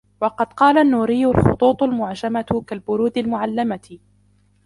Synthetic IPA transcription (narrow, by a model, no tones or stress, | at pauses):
wɑqɑd̪qɑːlanːuːɾɪjːʊlxʊ̰t̪ˤuːt̪ˤʊlmʊʕd͡ʒamat̪kalbʊɾuːd̪almʊʕalːamat̪